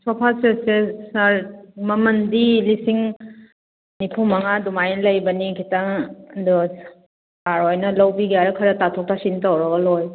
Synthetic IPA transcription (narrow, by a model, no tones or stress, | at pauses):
sɔpʰasesesaɾmɐmɐndilisiŋ | nipʰumɐŋadumajnɐlɐjbɐnikʰitaŋdu | aɾɔjnɐlɐwbiɡiaɾɐkʰɐɾɐtatʰɔk̚tʰasintawɾɐɡɐloj